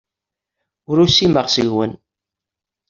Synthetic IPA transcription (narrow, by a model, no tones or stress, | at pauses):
ʊɾusiməʁsəʝwə̰n